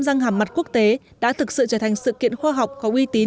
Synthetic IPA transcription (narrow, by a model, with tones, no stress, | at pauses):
mza˧ŋhaː˨˩ma˨˩t̚ku˦˥ək̚t̪e˨˦ | ɗa̰ː˧˥t̪ʰɨ˨˩k̚sɨ̰˧˨t͡ɕəː˧˩t̪ʰa˨˩ŋ̟sɨ̰˧˨kḭ˧˨ənxwaː˧ɦa˨˩wk͡p̚kɔ˨˦ʔwi˧t̪i˨˦